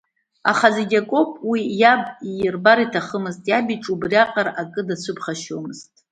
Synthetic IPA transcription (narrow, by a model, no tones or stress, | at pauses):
a̰χazeɡʲakʷʼo̞pʼwijabijrbaɾitʰaχəmɨztʼjabiʈ͡ʂʼubrjaqʼarakʼɨdat͡sʷʰɨpʰχaʃomɨz̥tʼ